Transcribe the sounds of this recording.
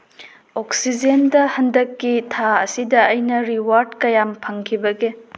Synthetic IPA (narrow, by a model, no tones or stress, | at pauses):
oksid͡ʒendɐhɐndɐkːitʰaɐsidɐːjnɐɾiwaɾdkɐjampʰɐŋkʰibɐɡe